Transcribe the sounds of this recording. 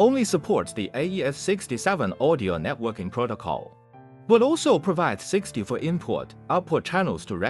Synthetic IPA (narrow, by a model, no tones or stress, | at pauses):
õʊ̃nlisəpʰɔɹtsðiʔeɪiɛssɪkstisɛvə̃nɔɾioʊnɛt̚wɜ˞kɪ̃ŋpʰɹ̥oʊɾəkʰɔ̰lˠ | bəɾɔlˠsoʊpʰɹ̥əvaɪdz̥sɪkstifə˞ʔɪ̃mpʰɔ̰ɹt | aʊt̚pʰɔd̚t͡ʃʰænəl̩ˠz̥tʰəɹɛ